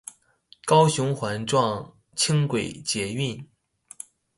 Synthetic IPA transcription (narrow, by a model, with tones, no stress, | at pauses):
kɑ˥ʊɕjʊ˧˥ŋxwa˧˥nʈ͡ʂwɑ˥˩ŋ | t͡ɕʰi˥ŋkwe˨˩ɪt͡ɕjɛ˧˥y˥˩n